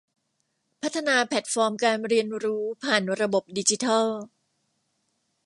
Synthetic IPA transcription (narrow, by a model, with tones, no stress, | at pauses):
pʰa˦˥t̪ʰːa˧naː˧pʰɛ˨˩t̪̚fɔː˧mkaː˧nɾi˧ənɾuː˦˥pʰaː˨˩nɾa˧bo˨˩p̚di˧t͡ɕi˦t̪ʰa˥˩l